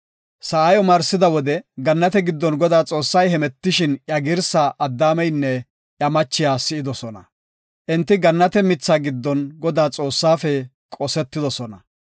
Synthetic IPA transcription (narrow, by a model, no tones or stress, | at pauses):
sɐʔɐjɔmɐɾsɪd̪ɐwɔd̪ɛɡɐnːɐt̪ɛɡɪd̪ːɔnɡɔd̪aːt͡sʼo̞ːsːɐjɦɛmɛt̪ːɪʃɪnjɐɡɪɾsaʔɐd̪ːaːmɛjnːɛ | ʔjɐmɐt͡ʃːɪjaːsɪɪd̪ɔsɔnɐ̰ | ʔɪnt̪ːɪɡɐnːɐt̪ɛmɪt͡sːaːɡɪd̪ːɔnɡɔd̪aːt͡sʼo̞ːsːaːfɛ | kʼɔsɛt̪ːɪd̪ɔsɔnɐ